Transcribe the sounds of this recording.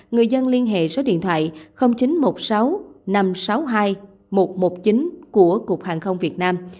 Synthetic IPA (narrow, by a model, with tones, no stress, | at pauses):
ŋɨ˨˩əjzə˧nli˧ənɦḛ˧˨zɔ˨˦ɗḭ˧˨nt̪ʰwa̰ː˧˨jxə˧wŋ͡mt͡ɕi˨˦nmo˨˩t̚sa˨˦wna˧msa˨˦wɦaː˧j | mo˨˩t̚mo˨˩t̚t͡ɕi˨˦nku˧˩əku˨˩ək̚haː˨˩ŋxə˧wŋ͡mvi˨˩ət̚naː˧m